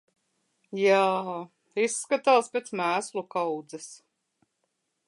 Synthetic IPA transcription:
jaː | isːkat̪aːspʲet̪smæːslˠukawd̪zɛs

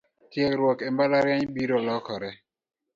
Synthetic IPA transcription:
tjɛkɾwɔkɛmbalaɾjaɲɓiɾɔlɔkʰɔɾɛ

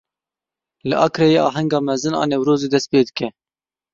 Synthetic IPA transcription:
lɨʔɑːkɾɛjeːɑːɦɛŋɡɑːmɛzɨnɑ̰ːnɛwɾoːzeːd̪ɛst̪̚peːd̪ɨkɛ

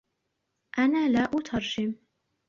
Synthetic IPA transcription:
ʔanaːlaːʔut̪ʰɑɾˤʃɪm

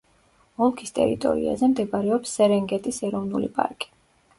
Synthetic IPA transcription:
ɔlˠkʰist̪ʼɛ̰ɾḭt̪ʼɔ̰ɾḭa̰zɛmd̪ɛbaɾɛɔpsːɛɾɛŋɡɛt̪ʼisɛɾɔvnulḭpʼa̰ɾkʼi̥

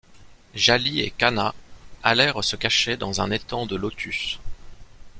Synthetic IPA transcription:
ʒaliḛkanaalɛʁsəkaʃɛd̪ɑ̃zɛ̃net̪ɑ̃d̪əlot̪ʰys

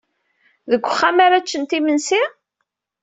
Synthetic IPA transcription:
ðəɡʷːəχːamaɾat͡ʃːənt̪imənsi

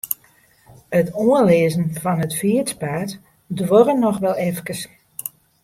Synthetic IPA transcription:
ətoənleːzən̩vɔnətfiət͡spaːt | dʋorənɔxʋɛlˠɛfkəs

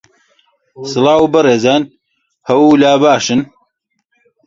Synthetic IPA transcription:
sɨlɑːwbɨreːzaːn | hɐwulaːbaːʃɨn

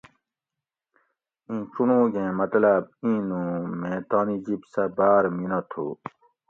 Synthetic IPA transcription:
ĩːt͡ɕunũːɡẽːmɐt̪labĩːnõːmẽːt̪aːnid͡ʑibsabaːɾminot̪ʰo̰ː

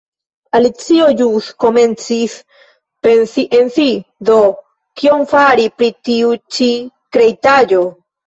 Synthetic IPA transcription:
alit͡siod͡ʒusko̞me̞nt͡sis | pensiʔe̞nsid̪o̞ | kio̞ŋfaɾipɾitiut͡ʃi | kɾe̞jtad͡ʒo̞

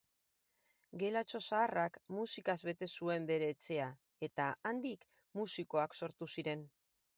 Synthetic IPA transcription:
ɡe̞lat͡ʃo̞saːrakmusikazβe̞t̪e̞sue̞mbe̞ɾe̞ːt͡se̞a | e̞t̪aand̪ik | musiko̞akso̞ɾt̪usiɾe̞n

